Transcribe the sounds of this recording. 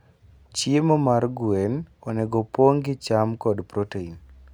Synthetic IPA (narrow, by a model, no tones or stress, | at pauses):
t͡ʃiemɔmarɡwenɔnɛɡɔpoŋɡɪt͡ʃamkɔdpɾotein